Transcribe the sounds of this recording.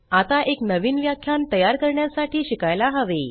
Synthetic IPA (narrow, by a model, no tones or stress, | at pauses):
at̪aʔeknəʋiːnʋjakʰːjant̪əjaɾkəɾɳjasaʈʰiːɕikajlaɦəʋe